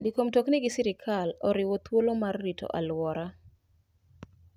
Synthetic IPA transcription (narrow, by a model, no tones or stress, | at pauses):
dikomtoknɪɡɪsiɾɪkʰalɔɾɪwot̪wolomarːito̰ʔa̰lwɔɾa